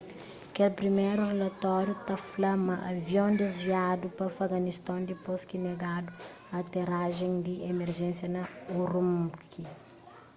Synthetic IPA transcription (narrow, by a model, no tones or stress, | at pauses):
kelpɾimejɾurelɐt̪ɔɾjut̪ɐflɐmɐʔɐvjõnd̪ezviad̪upɐfɐɡɐnist̪ãnd̪iposkineɡad̪u | ɐt̪eɾaʒẽŋ̃d̪iemeɾʒɛ̃nsjɐnɐuɾumkʰi